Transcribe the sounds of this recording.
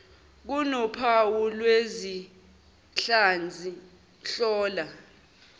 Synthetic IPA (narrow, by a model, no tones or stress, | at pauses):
k̬unɔpʰawulwezi | ɬand͡zʱi | ɬɔːla